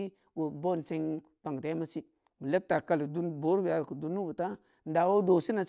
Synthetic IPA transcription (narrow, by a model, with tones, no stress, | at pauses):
wo˨bo˦˨n˨se˦˧ŋ | pa˨ŋ˨ta˨˦ma˦si˦ | mu˨le˦p̚ta˨ka˦li˨du˦nbo˨˦ɾbi˨a˨ɾku˨du˦nːu˦bu˨ta˦ | n̩˦da˨wo˦do˨si˦na˨s